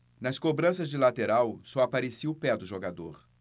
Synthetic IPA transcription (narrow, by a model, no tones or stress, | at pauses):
nɐskobɾɐ̃sɐzd͡ʒɪlat̪eɾawsɔapaɾesiʊpɛd̪ʊʒoɡad̪oɾ